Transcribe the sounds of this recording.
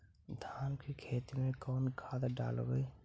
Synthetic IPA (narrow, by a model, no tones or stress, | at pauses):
d̪ʱaːnkʰikʰeːt̪imẽkoːnkʰaːd̪aɖa̰ːl̰beː